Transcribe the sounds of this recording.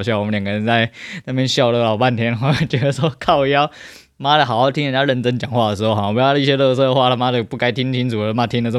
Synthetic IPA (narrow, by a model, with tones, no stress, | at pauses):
ʊɕjɑ˥˩wɔ˨˩ə˦njɑ˨˩ŋɡə˧ɻə˧˦nt͡sa˥˧ɪna˥˩pʰjɛ˥nɕjɑ˥˧ʊlə˧˥˩ɑ˨˩ʊpa˥˩nt̪ʰjɛ˥nd̪ə˩xwa˥˩t͡ɕɛ˧˥d̪ə˧˩ʂwɔ˥kʰɑ˥˧ʊ˧˩jɑ˥˩ʊ | ma˥d̪ə˨˩ɑ˨˩xɑ˥˩ʊt̪ʰi˥nə˧˩t͡ɕja˥ɻə˥˩nʈ͡ʂə˥ŋt͡ɕjɑ˨˩ŋxwa˥˩də˩ʂɻ̩˧˥xo˥˧ʊxɔ˥˩˨jlə˧˦i˥˩ɕjɛ˥lɤ˥˧sɤ˥˧˩də˩xwa˥˩lə˨˩ma˥d̪ə˨˩pu˥˩ka˥ɪt̪ʰi˥ŋt̪ʰi˥nt͡sʰu˨˩ə˧˦ma˥t̪ʰi˥ŋnə˧˩˨